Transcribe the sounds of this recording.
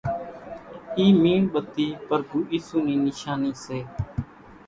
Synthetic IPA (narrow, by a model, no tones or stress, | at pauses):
iːmiːɳɓət̪iːpəɾɡʱuːʔiːsuːnĩːnɪʃaːniːseː